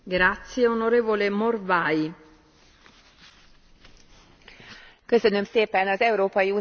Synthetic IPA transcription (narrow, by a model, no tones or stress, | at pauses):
ɡɾat̪sːjeonoɾeːvolemorvaːj | køsønømseːpɛnɒzɛuɾoːpɒjiuː